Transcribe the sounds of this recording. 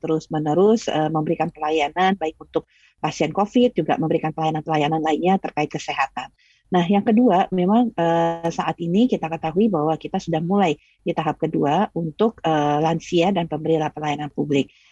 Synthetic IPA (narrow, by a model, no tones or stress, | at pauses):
t̪əɾʊsmənəɾʊsəməmbəɾikanpəlajananbaɪk̚unt̪ʊk̚ | pasiɛnkofɪt̪̚d͡ʒuɡa̰ʔməmbəɾikanpəlajananpəlajananlainɲat̪ərkaɪt̪̚kəseɦat̪anː | ahjaŋkəduamemaŋəsaʔat̪inikit̪akət̪aɦuibahwakit̪asudahmulaj | dit̪aɦap̚kəduaunt̪ʊk̚əːlansiadanpəmbəɾilapəlajananpublɪk̚